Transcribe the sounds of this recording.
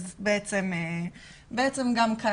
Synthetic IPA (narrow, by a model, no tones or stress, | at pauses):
zbeet͡seme | beet͡semɡamkʰa